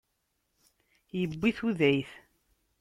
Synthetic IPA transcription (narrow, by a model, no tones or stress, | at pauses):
jəbːiθuðʕiθ